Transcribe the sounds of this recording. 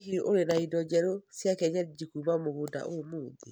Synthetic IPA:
iʔoɾenaidɔd͡ʒɛɾosjakɛɲad͡ʒikumamoɣoda̰ʔomoːði

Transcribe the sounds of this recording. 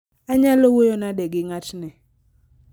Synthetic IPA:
aɲalowojonadɛɡɪŋatnɪ

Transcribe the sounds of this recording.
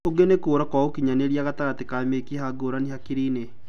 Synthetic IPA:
oɡenekoːɾakɔokiɲaneɾiaɣataɣatekamekihaɡoɾaniɦakiɾine

